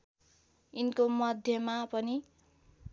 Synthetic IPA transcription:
inkomʌd̪ʱjʌmapʌni

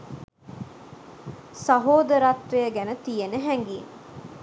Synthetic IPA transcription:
sɐɦoːd̪əɾɐt̪ʋejəɡænət̪ijenəɦæŋɡiːn

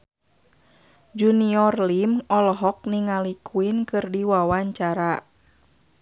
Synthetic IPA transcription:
d͡ʒuniɔrlimɔlɦɔk̚niŋalikʰuinkɨrdiwawaɲt͡ʃaɾa

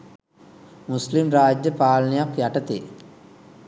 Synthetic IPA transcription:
muslimɾaːd͡ʒjɐpaːlnjakjɐʈɐt̪ḛ

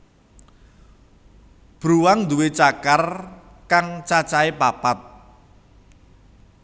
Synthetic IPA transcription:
b̥ɾuwaŋd̪uwet͡ʃakar | kaŋt͡ʃat͡ʃaepapat̪̚

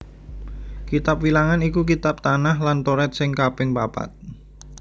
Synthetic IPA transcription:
kit̪ap̚wilaŋanikukit̪ap̚t̪anahlant̪oɾɛt̪̚sɪŋkapɪŋpapa̰t̪̚

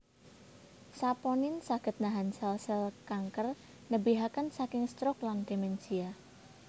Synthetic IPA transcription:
sapɔnɪnsaɡ̥ə̤t̪̚naɦansalsəlkaŋkər | nəbiɦakansakɪŋst̪ɾɔkland̪̥emɛnsia

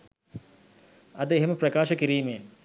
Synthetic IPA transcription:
ɐd̪əeɦeməprɐkaːʃəkiɾiːmej

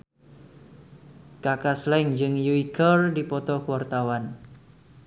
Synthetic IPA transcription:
kakaslɛŋd͡ʒɨŋjuikərdipɔt̪ɔkuwart̪awan

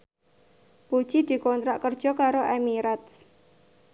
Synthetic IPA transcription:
pu̥t͡ʃid̪̥i̤kɔnt̪ɾaʔkər̥ʒ̥ɔ̤kaɾoʔɛmiɾat̪

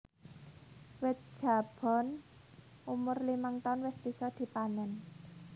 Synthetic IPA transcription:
wɪt̪̚d̥ʒ̥a̤b̥ɔ̤n | umʊrliməŋt̪ɔnwɪsb̥i̤sɔd̪̥i̤panɛn

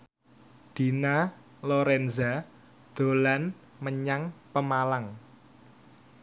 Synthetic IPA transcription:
d̪̥i̤na | loɾɛnza | d̪̥o̤lan | məɲaŋpəmalaŋ

